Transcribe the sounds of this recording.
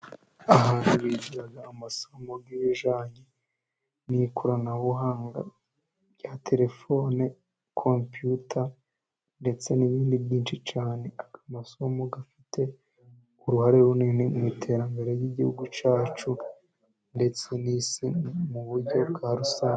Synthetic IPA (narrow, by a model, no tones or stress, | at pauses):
aɦaːnhuβiɟiɾaɡaːmasomobɡiβiʒaːɲe | nikʰuɾanaβuɦaːŋɡa̰ | jatʰe̞ɾe̞fo̞ːne | kʰompjutʰa | nde̞t͡se̞niβiːndiβjiːnt͡ʃit͡ʃaːne̞akamaso̞moɡafi̥tʰe̞ | uɾuhaɾeɾuniːnimŋitʰe̞ɾambeɾejiɟihuɡut͡ʃaːt͡ʃu | nde̞t͡se̞nisimuβuɾɟo̞bɡaːɾusaː